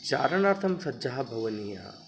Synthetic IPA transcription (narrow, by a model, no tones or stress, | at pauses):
t͡ʃa̰ːɾɐɳaːɾt̪ʰɐmsɐdd͡ʒaːɦɐbʱɐʋɐnija̰ː